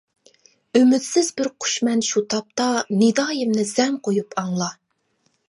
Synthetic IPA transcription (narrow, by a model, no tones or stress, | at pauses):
ømyd̪sɪzbɪɾqʰʊ̥ʃmɛnʃut̪ʰɑp̚t̪ɑnɪd̪ɑːjɪmnɪzɛmqʰojupʰɑŋlˠɑ